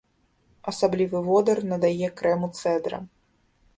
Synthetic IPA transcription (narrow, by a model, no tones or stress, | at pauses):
ɐsablʲivɨvɔd̪ɐrnɐd̪ajɛkɾɛmut̪sɛd̪ɾɐ̰